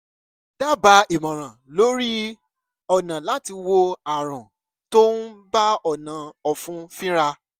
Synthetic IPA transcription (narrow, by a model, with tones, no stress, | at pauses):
da˦ba˨˦i˨mã˨ɾ̃ã˨lo˨˦ɾi˦ | ɔ˨nã˨la˨˦ti˧wo˧a˨ɾ̃ɔ̃˨ | to˦n̩˦ba˦ɔ˨nã˨ɔ˨fũ˦fĩ˦ɾa˧